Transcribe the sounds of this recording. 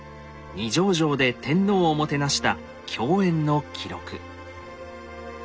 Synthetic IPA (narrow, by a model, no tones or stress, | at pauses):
ɲʲiʑo̞ːʑo̞ːd̪e̞t̪ẽ̞nːo̞ːmo̞t̪e̞naɕi̥t̪a | kʲʰo̞ːẽ̞nːo̞kʲʰiɾo̞̰kɯ̟̰